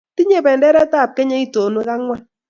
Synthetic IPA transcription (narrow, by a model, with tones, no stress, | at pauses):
ti˦ɲe˦˨bɛ˨ndɛ˦ɾɛ˦ta˦˨p̚kɛ˦ɲɛ˦i˦to˨ne˦ka˦ŋwa˦